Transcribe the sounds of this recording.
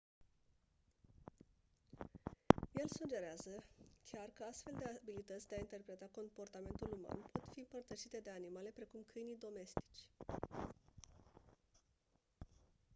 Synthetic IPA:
je̞lsud͡ʒe̞ɾeazəkʲarkəast̪fe̞ld̪e̞abilit̪ət̪sʲd̪e̞aint̪e̞rpɾe̞t̪ako̞mpo̞rt̪ame̞nt̪uluma̰npo̞t̪fiɨmpərt̪əʃit̪e̞d̪e̞animale̞pɾe̞kumkʰɨjnijd̪o̞me̞st̪i̥t͡ʃʲ

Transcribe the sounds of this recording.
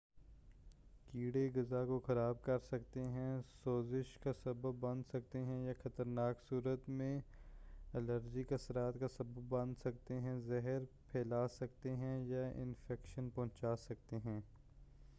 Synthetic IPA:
kiːɽeɡɐzakoxɐɾaːb̚kɐɾsɐk̚t̪eɦɛ̃soːzɪʃkasɐbəbːɐ̃nd̪sɐk̚t̪eɦɛ̃jaxɐt̪əɾnaːksuːɾət̪mẽ | ɐləɾd͡ʒikɐsɾaːt̪kasɐbəbːɐ̃nd̪sɐk̚t̪eɦɛ̃zɛɦəɾpʰɛːlaːsɐk̚t̪eɦɛ̃jaɪ̰̃nfɛːkʃənpɔ̃ːt͡ʃaːsɐk̚t̪eɦɛ̃ː

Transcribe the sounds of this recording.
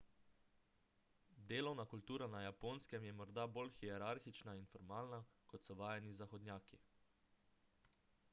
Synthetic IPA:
d̪eːlɔwnakult̪uːɾanajapoːnskɛmjɛmɔɾd̪abolxiɛɾaɾxit͡ʃnainfɔɾmaːlnakɔt̪sɔʋaːjɛnizaxɔd̪njaːki

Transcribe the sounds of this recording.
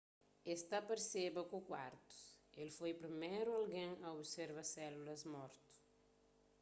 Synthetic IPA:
est̪ɐpɐɾsebɐkukwaɾt̪u̥selfojpɾimejɾualɡẽŋɐobseɾvɐsɛlulɐzmɔɾt̪u̥

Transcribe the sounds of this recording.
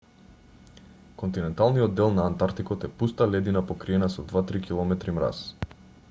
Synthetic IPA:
kɔnt̪inɛnt̪alˠnijɔd̪ːɛlˠnaːnt̪aɾt̪ikɔt̪ɛpust̪alɛd̪inapɔkɾiɛnasɔd̪vat̪ɾikilˠɔmɛt̪ɾimɾa̰s

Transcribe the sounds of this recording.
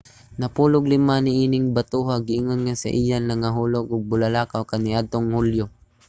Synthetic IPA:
nɐpuːlʊɡlɪmanɪʔiːnɪŋbɐt̪uɦaɡɪʔɪŋonŋasɐ̰ʔijanlɐŋaɦuːloɡʊɡ̚bʊlalaːkawkanɪʔad̪̚t̪oŋhuljʊ

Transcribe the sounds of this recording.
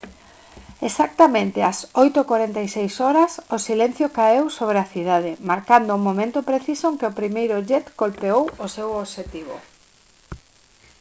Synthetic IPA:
esak̚t̪amẽnt̪ɪasojt̪okwaɾent̪ajsejsɔɾɐsʊsilen̟θjokaewsoβɾeaθiðað̞ɪmaɾkand̪ʊumomẽnt̪ʊpɾeθisoŋkeopɾimejɾʊʝɛt̪kolpeowosewoβʃet̪iβ̞o̰

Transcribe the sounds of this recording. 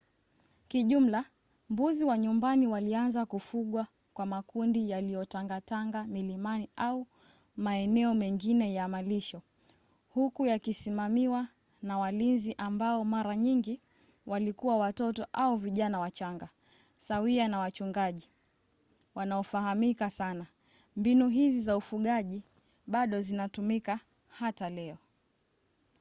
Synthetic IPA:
kiʄum̩la | mbuziwaɲumbaniwalianzakufuɠwa | kwamakundijalijɔtaŋɡataŋɡamilimaniau | maɛnɛɔmɛŋɡinɛjamaliʃɔ | hukujakisimamiwa | nawalinziʔambaɔmaɾaɲiŋɡi | walikuwawatɔtɔʔauviʄanawat͡ʃaŋɡa | sawianawat͡ʃuŋɡaʄi | wanaɔfahamikasana | mbinuɦizizaufuɠaʄi | ɓaɗɔzinatumika | hatalɛɔ

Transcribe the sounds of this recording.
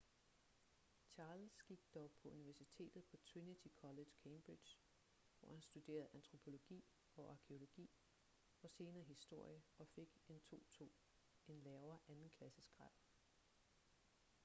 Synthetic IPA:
t͡ɕʰɑ̈ːlsɡ̥iɡ̥d̥ɒʊpʰɒ̽uniʋæɐsit͡sʰe̝̰ːd̥ð̞̩ˠpʰɒ̽t͡sʰʁinit͡sʰikʰɒ̽le̥kʰeɪmb̥ʁid̥j | ʋɒ̰hænsd̥ud̥e̝̰ːɐð̩ˠʔænt͡sʰʁo̝pʰo̝lo̝ɡ̥ḭː | ɒ̽ʔɑ̈kʰe̝o̝lo̝ɡ̥ḭː | ɒ̽se̝ːnɐːɦisd̥o̝ɐ̰jəɒ̽fe̝ɡ̥e̝nt͡sʰo̝̰ːt͡sʰo̝̰ː | e̝nlɛːʊɐʔænn̩kʰlæsəsɡ̥ʁɑð̰ˠ

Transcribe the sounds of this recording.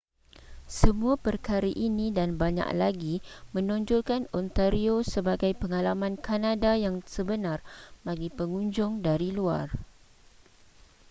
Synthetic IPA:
səmũapərkaɾaʔinĩdanbaɲa̰ʔlaɡimə̃nɔ̃ɲd͡ʒɔlkanɔnt̪aɾiosəbaɡajpəŋalamãnkanadajaŋsəbənãrbaɡipəŋũɲd͡ʒʊŋdaɾilua̰r

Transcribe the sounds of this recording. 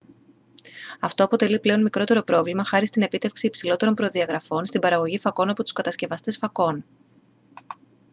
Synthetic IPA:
ɐft̪o̞ɐpo̞t̪e̞liple̞o̞nmikɾo̞t̪e̞ɾo̞pɾo̞vlimɐxɐɾist̪ine̞pit̪e̞fksiːpsilo̞t̪e̞ɾo̞mpɾo̞ðiɐɣɾɐfo̞nst̪ibɐɾɐɣo̞ʝifɐko̞nɐpo̞t̪u̥skɐt̪ɐsce̞vɐst̪e̞sfɐko̞n

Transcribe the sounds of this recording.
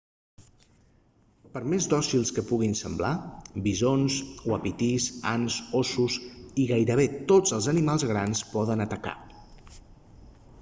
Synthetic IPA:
pəɾmezd̪ɔsilˠskəpuɣ̞insəmblabizonswəpit̪iza̰nzosusiɣajɾəβet̪od͡zəlˠzənimalˠzɣɾanspɔðənət̪əka̰

